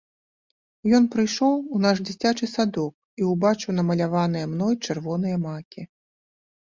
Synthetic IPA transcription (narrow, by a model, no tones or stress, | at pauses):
jɔnpɾɨjʂɔwunaʂd͡zʲit͡sʲat͡ʂɨsad̪ɔk̚ | iwbat͡ʂɨwnɐmɐlʲavanɨjɛmnɔjt͡ʂɨrvɔn̪ɨjɐmakʲi